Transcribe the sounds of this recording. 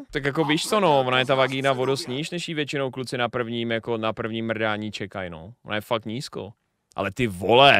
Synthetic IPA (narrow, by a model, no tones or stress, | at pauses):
t̪akjako̞viːʃt̪onovonajɛt̪avaɡiːnavodost̪ɲiːʃnɛʃjiːvjɛt͡ʃɪnowklut͡sɪnapr̩vɲiːmjako̞napr̩vɲiːmr̩daːɲiːt͡ʃɛkajno̰vona̰jɛfak̚t̪ɲiːsko̰ | ʔa̰lɛt̪ɪvolɛ